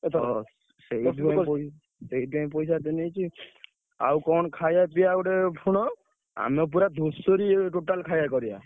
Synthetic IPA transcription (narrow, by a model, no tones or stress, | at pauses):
t̪ʰ | sejdap | sejdap̬ɔjs̬at̪enejt͡ʃʰi | a̰wkɔnkʰajapijauɾɛpʰuɽ̃ɔ | a̰mɛp̬uɾad̪ʱosoɾiʈoʈalkʰajakɔɾija̰